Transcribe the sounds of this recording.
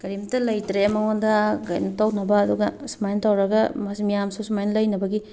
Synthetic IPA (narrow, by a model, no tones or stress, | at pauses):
kɐɾimtɐlɐjtɾeɐmɐŋondɐɡɐ̰jnɐtawnɐbɐːduɡɐsmajntawɾɐɡɐmɐsimijamsusumajnɐlɐjnɐbɐɡi